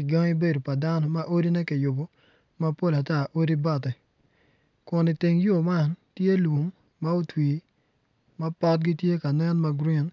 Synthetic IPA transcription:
ɪ˨d͡ʒɔ˦ŋɪ˦be˦do˨pa˨da˦nɔ˦ma˦ʔo˦di˦nɛ˦kɪ˨jʊ˨bo˨ | ma˦po˦˨la˨ta˦ʔo˦di˦bɔ˦˨t̬ɛ˨ | kʊ˨nɪ˨tɪ˨ŋjo˦˨ma˦˨ntje˦lu˨mː | a˦o˦twi˨ | mɐ˦pɔ˦t̚ɡɪ˦tje˦ka˨nɛ˦nma˦ɡɾi˦˨n

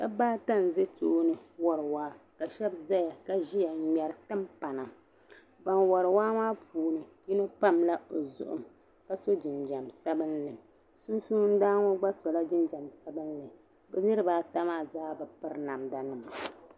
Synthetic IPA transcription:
ka˦baː˦ta˦˨n˨zɨ˦toː˦nɨ˨wɔ˨ɾɨ˨waː˦ka˨ʃɛ˦bza˦ja˨ka˦ʒi˦ja˨ɲɛ˨ɾɨ˨tɨ˦mpa˨na˨ | ba˨nwɔ˨ɾɨ˨waː˦maː˦puː˨nɨ˨ji˦no˦pa˦˨mla˦o˨zʊ̰˦ʔʊ̰˨m | ka˦so˦d͡ʒɪ˨nd͡ʒa˨msɛ˦bɨ˦nlɨ˨ | su˦n˦suː˦n̩˦daː˦ŋɔ˦ɡ͡ba˦sɔ˨la˦d͡ʒɪ˦nd͡ʒa˨msɛ˦bɨ˦nlɨ˨ | bɛ˦nɨ˦ɾɨ˦baː˦ta˦maː˦˨zaː˦bɛ˨pɨ˦ɾna˨mda˨nɨ˨ma˨

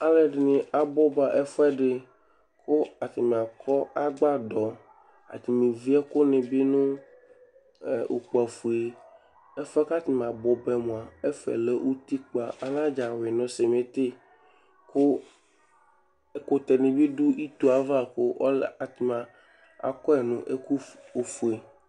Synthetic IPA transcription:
a˦le˨ɖnĩ˨a˨bɔ˦ba˨ʔe˦fɛ˦ɖe˨ | kʰo˦a˨t̪i˨mĩ˨a˨kʰɔ˦a˦ɡ͡ba˦d̪ɔ˨ | a̰˨t̪i˨mĩ˨vi˦a˦ko˦nẽ˨bi˦nũ˦˨ | ṵ˨k͡pu˨a˨fu˨e˦ | e˦fɛ˦ka˦t̪i˨m˨a˨bɔ˨bɛ˨mõ˨a˨e˦fɛ̰˨le˦ʔu˦t̪i˦k͡pa˨ʔa˨lã˦d͡ʒa˨we˨nɔ̃˨se˨m˨e˨t̪e˦ | ko˦ | e˦ko˦t̪e˨nĩ˨bi˦ɖu˦i˦t̪u˨a˨va˦ko˦ɔ˦la˨t̪i˨mã˨ | a̰˨kɔ˦ɛ˨nũ˦ʔe˦ku˦o˨fu˨e˨

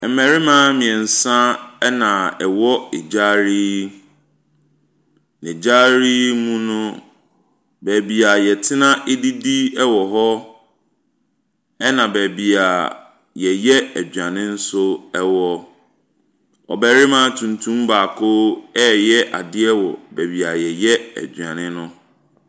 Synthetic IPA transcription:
mɛ˨ɾɪ˦mã˦mĩ˨ɛ̃˨n̩˨sã˦ɛ˦nã˨ɛ˨wɔ˦e˨d͡ʑa˦ɾiː˦ | nɪ̃˨d͡ʑa˦ɾi˦mũ˦nʊ̃˦ | bæ˨bi˨a˨jɛ˨tʰɪ˦nã˦ʔe˦di˦di˦ɛ˦wɔ˨ɦɔ˦ | ɛ˦nã˨bɛ˨bi˨a˨ | jɛ˨jɛ˦æ˨d͡ʑᶣã˨nɪ̃˦n̩˦sʊ˦ɛ˦wɔ˦ | ɔ̰˨bɛ˨ɾɪ˦mã˦tʰũ˨ntʰũ˦mbaː˨kʰo˦ɛ˦jɛ˦ʔa̰˨dɪ˦ɛ˦wɔ̰˨bæ˨bi˨a˨jɛ˨jɛ˦æ̰˨d͡ʑᶣã˨nɪ̃˦nʊ̃˦

